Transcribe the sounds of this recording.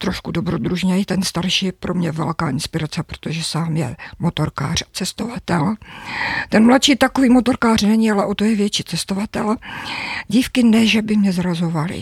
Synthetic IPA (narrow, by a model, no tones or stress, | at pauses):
t̪ɾoʃkudobɾod̪ɾuʒɲɛjɪt̪ɛnst̪aɾʃiːpɾomɲɛvɛ̰lkaːʔɪnspɪɾat͡sɛpɾo̥t̪oʒɛsaːmjɛ̰mo̞t̪o̞ɾka̰ːr̝̥at͡sɛst̪o̞vat̪ɛl | t̪ɛnmlatʃiːt̪akoviːmo̞t̪o̞ɾkaːrnɛɲɪalɛʔo̞t̪o̞jɛvjɛt͡ʃiːt͡sɛst̪o̞vat̪ɛl | ɟiːfkɪnɛʒɛbɪmɲɛzɾazo̞valɪ̰